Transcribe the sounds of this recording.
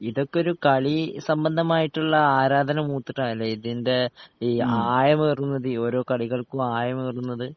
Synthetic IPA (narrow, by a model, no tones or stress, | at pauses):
iðo̞kːeo̞ɾukɐɭisɐmbɐnd̪ʱɐmaːjiʈːuɭːɐaːɾaːd̪ʱɐnɐmuːt̪ːiʈːaɐlːeiðinde̞ | aːjɐmeːrunːɐðɨo̞ːɾo̞ːkɐɭiɣɐɭkuaːjɐmeːrunːɐðɨ